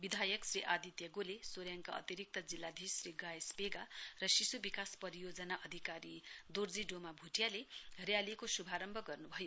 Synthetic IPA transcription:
bid̪ʱajʌksriʔad̪it̪jʌɡolesoɾjaŋkaʌ̰t̪iɾik̚t̪ʌd͡zilːad̪ʱisriɡajespeɡarʌsisubikaspʌɾijod͡zʌnaʔʌd̪ʱikaɾid̪ord͡ziɖomabʱuʈjalerjalikosubʱaɾʌmbʱʌɡʌrnubʱʌjo

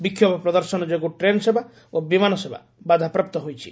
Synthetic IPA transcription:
bikʰːjɔbɔpɾɔd̪ɔɾsɔnɔd͡ʒekuʈɾenɔsebʱa | obimanɔseba̰ | bad̪ʱapɾɔp̚t̪ɔɦojt͡ʃʰḭ

